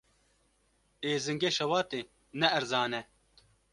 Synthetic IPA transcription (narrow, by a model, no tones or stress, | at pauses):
eːzɨŋɡeːʃɐwɑːt̪e | nɛʔːɾzaːnɛ